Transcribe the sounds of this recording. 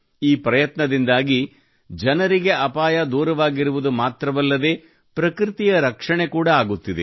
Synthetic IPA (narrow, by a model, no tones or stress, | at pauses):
iːpɾɐjɐt̪nɐd̪ind̪aːɡi | d͡ʒɐnɐɾiɡe̞ʔɐpaːjɐd̪uːɾɐʋaːɡiɾuʋud̪umaːt̪ɾɐʋɐlːɐd̪e̞ː | pɾɐkɾit̪ijɐɾɐkʂɐɳe̞kuːɽɐaːɡut̪ːid̪e